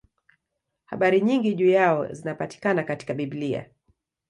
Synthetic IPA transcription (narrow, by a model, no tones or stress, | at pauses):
ha̰ɓaɾiɲiŋɡiʄujaɔ̰zinapati̥kanakati̥kaɓiblia̰